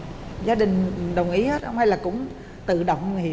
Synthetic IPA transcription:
zaː˨˦ɗï˨˩ŋ̟ɗə˨˩wŋ͡mʔi˨˦hə˦˥t̚hə˧ŋ͡mha˧jlaː˨˩kʊ̰˧˥ŋ͡m | t̪ɨ̰˧˨ɗə̰˧˨wŋ͡mŋhi˨˦

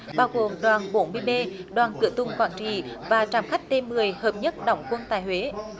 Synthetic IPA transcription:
ɓaː˧wɣo˨˩mɗwaː˨˩nɓo˨˦nmɨ˧əjɓe˧ɗwaː˨˩nkɨ̰˧˨ət̪ʊ˨˧˩ŋ͡mkwaː˧˩nt͡ɕḭ˧˨vaː˨˩t͡ɕaː˨˩mxa˦˥jk̟̚t̪ʰe˧mːɨ˨˩əjhəː˨˩p̚ɲə˦˥t̚ɗɔ̰˧˩wŋ͡mkwə˧nt̪aː˨˩jhwe˨˦

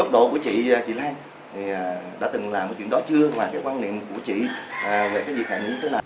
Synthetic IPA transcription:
ə˦˥k͡p̚ɗo̰˧˨ku˧˩ət͡ɕḭ˧˨˩t͡ɕḭ˧˨laː˧n | t̪ʰi˨˩˨ɗa̰ː˧˥t̪ɨ˨˩ŋlaː˨˩m̚ː˨˩t͡ɕwḭ˧˨ɗɔ˨˦t͡ɕɨ˧əvaː˨˩kaː˨˦jkwaː˧nḭ˧˨əmku˧˩ət͡ɕḭ˧˨˩ve˨˩kaː˨˦jzi˨˩xaː˧˩nɗḭ˧˦˧t̪əː˨˦na˨˩

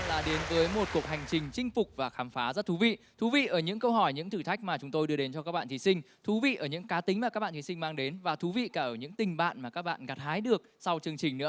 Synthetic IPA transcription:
laː˨˩ɗe˨˦nvəː˨˦jmo˨˩t̚ku˨˩ək̚ha˨˩jŋ̟t͡ɕï˨˩ŋ̟t͡ɕï˧ŋ̟fʊ˨˩k͡p̚vaː˨˩xaː˨˦mfaː˨˦zə˦˥t̚t̪ʰu˨˦vḭ˧˨ | t̪ʰu˨˦vḭ˧˨ʔəː˧˩ɲɨ̰˧˥ŋkə˧wɦɔ˧˩jɲɨ̰˧˥ŋt̪ʰɨ˧˩t̪ʰa˦˥k̟̚maː˨˩t͡ɕʊ˨˦ŋ͡mt̪o˧jɗɨ˧ə˧ɗe˨˦nt͡ɕɔ˧kaː˦˥k̚ɓa̰ː˧˨˩t̪i˨˦sï˧ŋ̟ | t̪ʰu˨˦vḭ˧˨ʔəː˧˩ɲɨ̰˧˥ŋkaː˨˦t̪ï˨˦ŋ̟maː˨˩kaː˦˥ɓa̰ː˧˨t̪ʰi˨˦sï˧ŋ̟maː˧ŋɗe˨˦nvaː˨˩t̪ʰu˨˦vḭ˧˨kaː˧˩ʔəː˧˩ɲɨ̰˧˥ŋt̪ï˨˩ŋ̟ɓa̰ː˧˨nmaː˨˩kaː˦˥k̚ɓa̰ː˧˨nɣa˨˩t̚haː˨˦jɗɨ˨˩ək̚sa˧wt͡ɕɨ˧əŋt͡ɕi˨˩ŋ̟nɨ̰˧˥ə

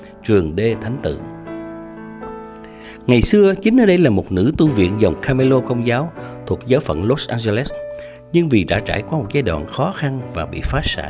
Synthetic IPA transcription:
t͡ɕɨ˨˩əŋɗe˧t̪ʰa˨˦jŋ̟t̪ɨ̰˧˨ | ŋa˨˩jsɨ˧ət͡ɕï˨˦ŋ̟ʔəː˧ɗə˧jlaː˨˩mo˨˩t̚nɨ̰˧˥t̪u˧vḭ˧˨ənzə˨˩wŋ͡mkʰaː˧me˧lo˧kə˧wŋ͡mzaː˨˦wt̪ʰu˨˩ək̚zəː˨˦wfə̰˧˩nlo˦˥t̚ʔaː˧nze˧lɛ˦˥s | ɲɨ˧ŋvi˨˩t͡ɕa̰ː˧˩t͡ɕa̰ː˧˩jkwɔ˨˧˦mo˨˩t̚zaː˧jɗwa̰ː˧˨nxɔ˨˦xa˧nvaː˨˩ɓḭ˧˨faː˨˦˥sa̰ː˧˩

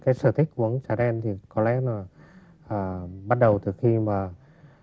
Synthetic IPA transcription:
kaː˨˦jsɨː˧˩t̪ʰi˦˥k̟̚kːʔu˧˩˦əŋsaː˧˩ɗɛ˧nt̪ʰi˨˩kɔ˨˦lɛ˨˦laː˨˩ | ʔəː˨˩ɓa˦˥t̚ɗə˨˩wt̪ɨ˨˩xi˧maː˨˩

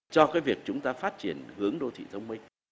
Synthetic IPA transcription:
t͡ɕɔ˧kaː˨˦jvi˨˩ək̚t͡ɕʊ˨˦ŋ͡mt̪aː˧faː˦˥t̚t͡ɕi˧˩ənhɨ˨˦əŋɗo˧t̪ʰḭ˧˨t̪ʰə˧wŋ͡mmï˧ŋ̟

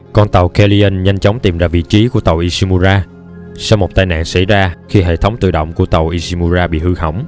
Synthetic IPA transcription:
kɔ˧nt̪ə˨˩wkɛ˧li˧ʔə˧nɲa˧jŋ̟t͡ɕə˨˦wŋ͡mt̪i˨˩mlaː˧˩vḭ˧˨t͡ɕi˨˦ku˧˩ət̪ə˨˩wʔi˧si˧mu˧zaː˧ | sa˧wmo˨˩t̚t̪aː˧jna̰ː˧˨nsa̰˧˩jzaː˧xi˧ɦḛ˧˨t̪ʰə˨˦wŋ͡mt̪ɨ̰˧˨ɗə̰˧˨wŋ͡mku˧˩ət̪ə˨˩wʔi˧si˧mu˧zaː˧ɓḭ˧˨hɨ˧hə̰˧˩wŋ͡m

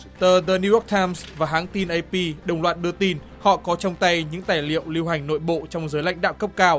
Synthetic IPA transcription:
t̪əː˨˩ðəː˨˩ni˧jɔ˦˥k̚t̪ʰaː˧jmsvaː˨˩ɦaː˨˦ŋt̪i˧nʔə˧jpi˧ɗə˨˩wŋ͡mlwaː˨˩t̚ɗɨ˧ət̪i˧n | hɔ̰˧˨kɔ˨˦t͡ɕɔ˧wŋ͡mt̪a˧jɲɨ̰˧˥ŋt̪aː˧˩jlḭ˧˨əwli˧wɦa˨˩jŋ̟no̰˧˨jɓo̰˧˨t͡ɕɔ˧wŋ͡mzəː˨˦jla̰˧˥jŋ̟ɗa̰ː˧˨ŋ͡mkə˦˥p̚kaː˧w

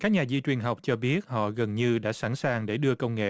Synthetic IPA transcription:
kaː˦˥k̚ɲaː˨˩zi˧t͡ɕwi˨˩ənɦa˨˩wk͡p̚t͡ɕɔ˧ɓi˦˥ət̚hɔ̰˧˨ɣə˨˩nɲɨ˧ɗa̰ː˧˥sa˧˩nsaː˨˩ŋɗe˧˩ɗɨ˧əkə˧wŋ͡mŋḛ˧˨

